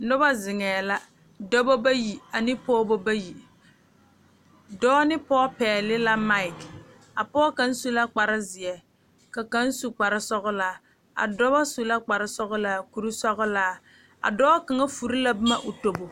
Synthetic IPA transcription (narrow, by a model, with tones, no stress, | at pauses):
nʊ˦ba˦zɪ˨ŋɛː˨la˦ | dɔ˦bo˦ba˦ji˨a˨nɪ˦pɔː˦bo˦ba˦ji˨ | dɔː˦nɪ˦pɔː˦pɛː˨lɪ˦la˦ma˦ɪ˨k | a˨pɔː˦ka˨n̩˦su˦la˦k͡pa˨ɾɪ˦zɪ˨ɛ˨ | ka˨ka˦n̩˦su˨k͡pa˨ɾɪ˦sɔ˦ɣʊ˦la˨ | a̰˨dɔ˦ba˦su˨la˦k͡pa˨ɾɪ˦sɔ˦ɣʊ˦la˨ku˨ɾi˦sɔ˦ɣʊ˦laː˦ | a̰˨dɔː˦ka˨ŋa˦fu˨ɾi˦la˦bɨ˦ma˦ʔʊ˨to˦bo˨